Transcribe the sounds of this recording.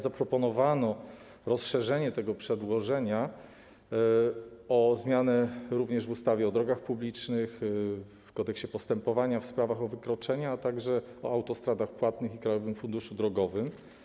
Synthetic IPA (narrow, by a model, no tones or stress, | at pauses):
zapɾɔpɔnɔvanɔ | ɾɔsʂɛʐɛɲɛt̪ɛɡɔpʂɛd̪wɔʐɛɲa | ɔzmʲjanɛɾuvɲɛʐvust̪avʲjɛɔd̪ɾɔɡaxpublʲit͡ʂnɘx | fkɔt̪ɛkɕt͡ɕɛpɔst̪ɛmpɔvaɲafspɾavaxɔvɘkɾɔt͡ʂɛɲɛat̪aɡʐɛɔawt̪ɔst̪ɾad̪axpwat̪nɘxikɾajɔvɘmfund̪uʂud̪ɾɔɡɔvɘm